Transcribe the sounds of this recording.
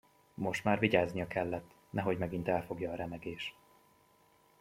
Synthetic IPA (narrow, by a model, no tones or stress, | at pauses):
mo̞ʃt̪maːrviɟaːznijɒkʰɛlːɛt̪ː | nɛɦo̞ɟmɛɡin̪t̪ɛlfo̞ɡjɒːɾɛmɛɡeːʃ